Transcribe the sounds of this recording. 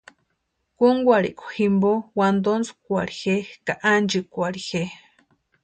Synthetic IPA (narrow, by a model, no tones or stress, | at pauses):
kuŋɡʷaɾḭʔkʷu̥ximbowand̪onskʷaɾixekaʔand͡ʒikʷaɾixe